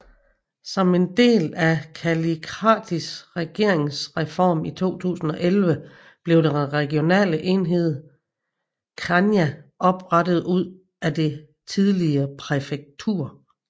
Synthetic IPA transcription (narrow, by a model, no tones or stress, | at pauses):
sɒ̽me̝nd̥e̝̰ːlækʰælikʰʁɑ̰̈ːd̥isʁɛɡ̥e̝ɐ̰e̝ŋsʁɛfɒ̰ːmit͡sʰo̝̰ːt͡sʰṵːsn̩ɒ̽ʔelʋə | b̥le̝ʊd̥enʁɛɡ̥io̝nɛ̰ːləʔe̝nɦe̝ð̞̰ˠ | kʰɑnjæʔɒ̽b̥ʁɑdəð̞̩ˠuð̞̰ˠ | æd̥e̝ | t͡sʰið̞ˠliɐːpʰʁɛfeɡ̥̚t͡sʰṵɐ̰